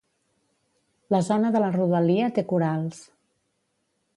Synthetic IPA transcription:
ləzɔnəðələruðəliət̪ekuɾalˠs

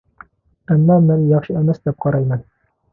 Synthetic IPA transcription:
æmːɑmænjɑχʃɤæmæsd̪æp̚qɑɾɑjmɤn

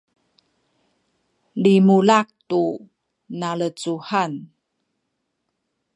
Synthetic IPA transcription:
limulak̚tu | nalət͡suhan

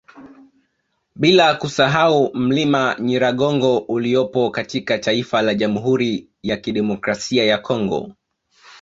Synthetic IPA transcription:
ɓilakusaɦaum̩limaɲiɾaɠɔŋɡɔʔuliɔpɔkatikataifalaʄamuɦuɾi | jakiɗɛmɔkɾasiajakʰɔŋɡɔ̰

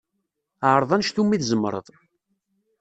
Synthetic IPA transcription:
ʕəɾˤðˤænʃθumːiθzəmːɾˤə̰ðˤ

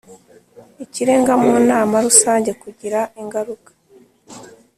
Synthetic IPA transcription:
iciɾe̞ːŋɡamunaːmaɾusaːɲɟe̞kuɟiɾaiŋɡaɾukḁ

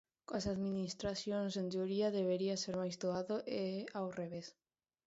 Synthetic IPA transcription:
koasaðminist̪ɾaθjonsent̪oɾiaðeβeɾiaseɾmajzd̪oaðoʔeawreβ̞es

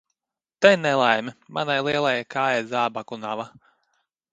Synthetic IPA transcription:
t̪ɛjnɛlˠajmimanajlˠiɛlˠajakaːjajzaːbakunava

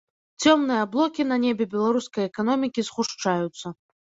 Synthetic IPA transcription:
t͡sʲɔmnɨjɐblˠɔkʲin̪ɐnʲebʲɛbʲɛlˠaɾuskɐjɛkanɔmʲikʲizxuʂt͡ʂajut̪sːɐ

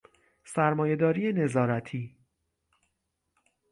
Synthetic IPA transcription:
sæɾmɒːje̞d̪ɒːɾiːjene̞zɒːɾæt̪ʰiː

